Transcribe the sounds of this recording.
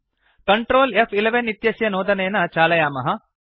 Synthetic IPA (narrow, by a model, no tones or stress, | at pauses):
kɐɳʈɾoːlefʰileʋenit̪jɐsjɐnoːd̪ɐneːnɐt͡ʃaːlɐjaːmɐɦɐ